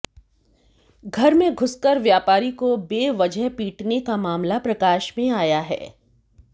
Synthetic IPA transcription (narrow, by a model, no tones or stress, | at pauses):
ɡʱɐɾmẽɡʱʊskəɾʋjaːpaːɾikobeːʋɐd͡ʒəɦpiːʈnekamaːmlapɾɐkaːʃmẽaːjaɦɛ̰ː